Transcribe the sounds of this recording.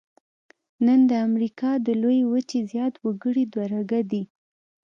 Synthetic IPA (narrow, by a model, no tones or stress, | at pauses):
nənd̪əamɾikɑd̪əlojewət͡ʃezjɑt̪wəɡəɽid̪waɾaɡad̪i